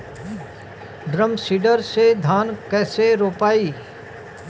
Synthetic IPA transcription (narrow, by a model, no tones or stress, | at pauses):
ɖɾəmsiːɖəɾsed̪ʱaːnkɛːseɾoːpaːiː